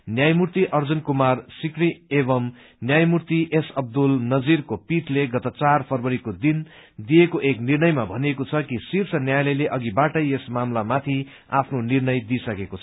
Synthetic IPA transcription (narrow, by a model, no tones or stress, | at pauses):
njajmurt̪iʔʌrd͡zunkumarsikriebʌm | njajmurt̪iʔesʌb̚d̪ulnʌd͡zirkopiʈʰleɡʌt̪ʌt͡sarpʰʌrbʌɾikod̪in | d̪ijekoʔeknirnʌjmabʱʌnekot͡sʰʌkisirt͡sʰʌnjajlʌjleʔʌɡibaʈʌjesmamlamat̪ʰi | a̰pʰnonirnʌjd̪isʌkekot͡sʰʌ